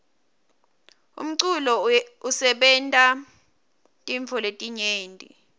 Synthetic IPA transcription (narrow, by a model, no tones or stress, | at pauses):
ṵm̩ǀulɔusɛɓɛntʼa | tʼiɱfʰɔletʼiɲeːntʼḭ